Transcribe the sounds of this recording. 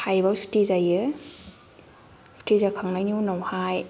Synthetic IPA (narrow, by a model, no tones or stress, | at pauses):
hajbawstizajɯ | sʰtizakʰaŋnajniwnawhaj